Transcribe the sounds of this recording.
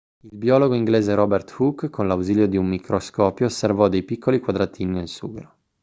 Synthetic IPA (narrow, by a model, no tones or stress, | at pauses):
ilbiɔːloɡoiŋɡleːzeɾɔbert̪fukːkʰːonlawziːljod̪iumːikʰɾoskɔːpjoːservɔd̪ejpikʰːolikwad̪ɾat̪ʰiːninelsuːɡeɾo